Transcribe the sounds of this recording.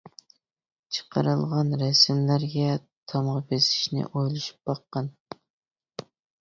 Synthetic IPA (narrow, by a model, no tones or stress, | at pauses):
t͡ʃʰə̥qʰə̰ɾɨ̰lˠʁɑnɾɛsɪmlæɾɡʲɛ | t̪ʰɑmʁɑbesi̥ʃnɪ̰ʔojlˠuʃu̥p̚bɑqːɑn